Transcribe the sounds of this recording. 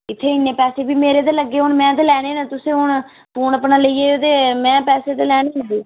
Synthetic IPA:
ɪt̪ʰːeːɪnːẽːpɛːseːbiːmeːɾeːt̪eːləɡːeːʊnmɛ̃ːt̪eːlɛːɽ̃eːnat̪ʊsẽːɦʊɳ | puːɳəpnaːləiːeːot̪eːmɛ̃ːpɛːseːt̪eːlɛːɽeːɦd̪iː

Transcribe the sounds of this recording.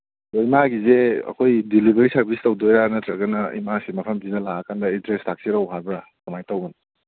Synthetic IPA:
toimaɡizeɐ̰kʰojdilibʱeɾisɐɾbʱistɐwdojɾanɐtɾɐɡɐnɐḭmasimɐpʰɐmkinɐlaɡɐkʰandɐintɾestʰak̚siɾawɦaɾbɾatɐmajtawɡun

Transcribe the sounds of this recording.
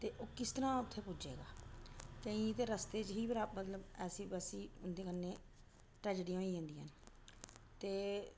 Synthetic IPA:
t̪eːʔoːkɪst̪əɾãːʊt̪ʰːeːpʊd͡ʒḛːɡa̰ːt̪eĩːt̪eːɾəst̪eːt͡ʃɦiːpɾamət̪ləbɛːsiːbəsiːʊnd̪eːkənːeː | ʈɾɛːd͡ʒɖiːõːiːãːnd̪iːɦən | t̪eː

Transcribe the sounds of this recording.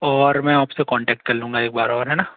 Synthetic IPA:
ɔːɾmɛ̃aːpsekɔ̃ːɳʈɛːk̚ʈ̚kɐɾlũːŋɡaeːk̚baːɾɔːɾɦɛːnaː

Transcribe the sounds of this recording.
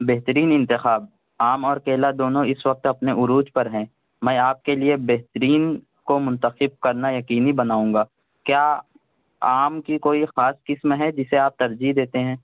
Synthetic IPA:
beːɦt̪əɾiːnɪ̃nt̪ɪxaːb̚ | aːmɔːɾkeːlad̪oːnõɪswɐq̚t̪ɐpneʔʊɾuːd͡ʒpɐɾɦɛ̃ː | mɛ̃ːaːp̚keliebɛɦt̪əɾiːn | komʊ̃nt̪əxɪb̚kɐɾnajɐkiːnibɐnaːũːŋɡaː | kjaː | aːmkikoːixaːskɪsmɦɛd͡ʒɪseaːp̚t̪ɐɾd͡ʒid̪eːt̪eɦɛ̃ː

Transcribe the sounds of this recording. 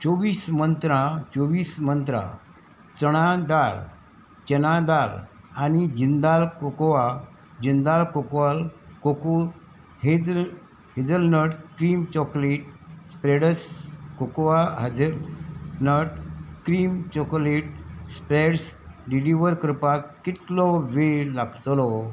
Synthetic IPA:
t͡sɔʋiːsmənt̪ɾãt͡sɔʋiːsmənt̪ɾã̰ | t͡səɽ̃ad̪aɾ | t͡ɕɛñad̪al | anid͡ʑind̪alkokoʋa | d͡ʑind̪alkokʋalkokul | he | ɦid͡zəlnəɽkɾimt͡ɕɔkleʈ̚spɾeɽəskokʋaɦad͡zə | nəʈkɾimt͡ɕɔkoleʈspɾeɽsɖiliʋəɾkɾpakit̪lɔʋelaɡt̪lɔ

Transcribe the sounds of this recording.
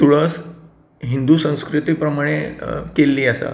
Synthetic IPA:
t̪uɽəːs | ɦind̪usə̃w̃skɾit̪iːpɾəmaɽ̃ekelːiːasa̰

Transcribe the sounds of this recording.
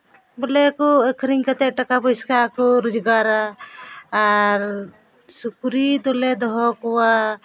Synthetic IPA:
bɔlɛkɔəkʰɾiŋkat̪ɛʔʈakabɔskaːkɔɾɔd͡ʒɡaɾaː | ɾ | sukɾit̪ɔlɛd̪ɔɦɔkɔwa

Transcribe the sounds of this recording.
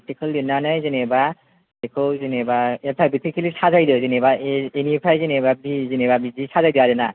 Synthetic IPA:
tʰikʰɯljinanɯjzineba | ekʰowzinebaetʰajbitʰikʰelisazajdɯzinebaenipʰajzinebabizinebabizisazajdɯaɾɯna

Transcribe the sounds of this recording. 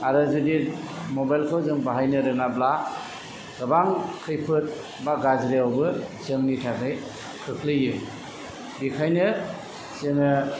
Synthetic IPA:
aɾɯzudi | mobajlkʰawzɯŋbaɦajnɯɾɯŋabla | ɡ̥abaŋkʰɯjpʰɯt̚ | baɡazɾeawbɯsɯŋnitʰakʰɯj | kʰɯkʰlɯjɯm | bikʰajnɯ | sɯŋɯ

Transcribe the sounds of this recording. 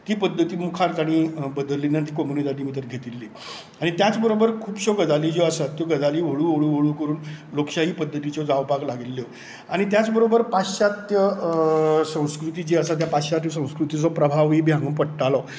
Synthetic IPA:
t̪iːpəd̪ʱːət̪iːmukʰaɾkaɽ̃iːbəd̪əlːinant̪iːkɔmunid̪aʈimit̪̬əɾɡʱet̪ilːi | aɽ̃it̪jat͡sbəɾobəɾkʰuːpɕɔɡəd͡zalid͡ʑɔəsat̪ːjɔɡəd͡zaliːʋoɭuʋoɭuːʋoɭuːkəɾuːnlokɕaɦiːpəd̪ʱːət̪it͡ɕɔd͡zawpaklaɡilːjɔ | aɽ̃it̪jat͡sbəɾobəɾpaɕat̪jə | sə̃w̃skɾut̪id͡ʑeəsat̪̬japaɕat̪josə̃w̃skɾut̪it͡sɔpɾəbʱaʋibʱjãŋɡuːnpəɽʈalɔ

